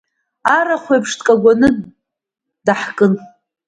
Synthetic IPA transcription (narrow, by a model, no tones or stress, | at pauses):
aɾaχʷejpʰʂtʰʼkʼaɡʷanɨ | daħkʼɨn